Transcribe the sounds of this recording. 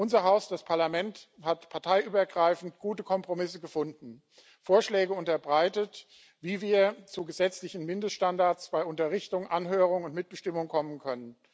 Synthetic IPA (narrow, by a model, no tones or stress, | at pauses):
ʔʊnzɐɦaʊsd̥aspʰaɐlamɛnthatpʰaɐtʰaɪʔyːbɐɡʁaɪfn̩tɡ̥uːtəkʰɔmpʁ̥omɪsəɡəfʊndn̩ | foːɐʃlɛːɡəʊntɐbʁaɪtət | viːviːɐt͡suɡəzɛt͡slɪçn̩mɪndəstʃtandaɐt͡sb̥aɪʔʊntɐʁɪçtʊŋʔanɦøːʁ̞ʊŋʊntmɪt̚b̥əʃtɪmʊŋkʰɔmənkʰœnən